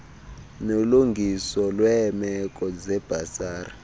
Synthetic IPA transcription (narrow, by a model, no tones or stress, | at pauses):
noluŋɡʱisɔlwɛmɛkʼɔd͡zɛb̥ʱasaːra